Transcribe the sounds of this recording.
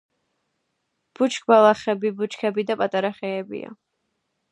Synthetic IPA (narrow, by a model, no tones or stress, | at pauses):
b̥ut͡ʃʰʼkʰʼbalˠaχɛbibut͡ʃkʰɛbid̪apʼat̪ʼaɾaχɛːbḭa̰